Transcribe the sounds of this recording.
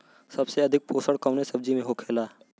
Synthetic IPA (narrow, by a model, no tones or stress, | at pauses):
sɐbseɐd̪ʱɪk̚poːsəɽkɐʊnesɐb̚d͡ʒimẽɦokʰeːlaː